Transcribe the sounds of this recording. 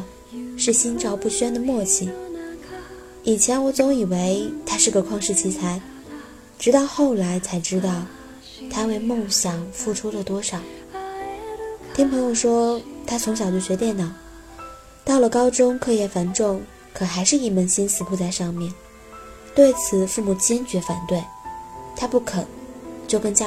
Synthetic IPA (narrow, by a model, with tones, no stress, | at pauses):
ʂɻ̩˥˩ɕi˥nʈ͡ʂʰɑ˥ʊpu˥˩ɕɥɛ˥nd̪ə˨mwɔ˥˩t͡ɕʰi˨˩ | i˨˩t͡ɕʰjɛ˧˥nwɔ˨˥t͡sʊ˧˥ŋi˨˩we˧˥ɪt̪ʰa˥ʂɻ̩˥˩ɡə˩kʰwɑ˥˧ŋʂɻ̩˥˩t͡ɕʰi˥t͡sʰa˧˥ɪ | ʈ͡ʂɻ̩˧˥t̪ɑ˥˧ʊxo˥˩ʊla˧˥ɪt͡sʰa˧˥ɪʈ͡ʂɻ̩˥t̪ɑ˥˩ʊ | t̪ʰa˥we˥˧ɪmʊ˥˩ŋɕjɑ˨˩ŋfu˥˩ʈ͡ʂʰu˥lə˨t̪wɔ˥ʂɑ˨˩˦ʊ | t̪ʰi˥ŋpʰɤ˧˥ŋjo˨˩ʊʂwɔ˥t̪ʰa˥t͡sʰʊ˧˥ŋɕjɑ˨˩ʊt͡ɕjɔ˥˩ɕɥɛ˧˥t̪jɛ˥˩nnɑ˨˩˦ʊ | t̪ɑ˥˩ʊlə˩kɑ˥ʊʈ͡ʂʊ˥ŋkʰɤ˥˧jɛ˥˩fa˧˥nʈ͡ʂʊ˥˩ŋ | kʰɤ˨˩xa˧˥ɪʂɻ̩˥˧i˥˩mə˧˥nɕi˥nsɹ̩˨˩pu˥˧t͡sa˥˧ɪʂɑ˥˧ŋmjɛ˥˩n | t̪we˥˩ɪt͡sʰɹ̩˨˩fu˥˩mu˨˩t͡ɕjɛ˥nt͡ɕɥɛ˧˥fa˨˩nt̪we˥˩ɪt̪ʰa˥pu˥˩kʰɤ˨˩˦t͡ɕjo˥˩ʊkə˥nt͡ɕj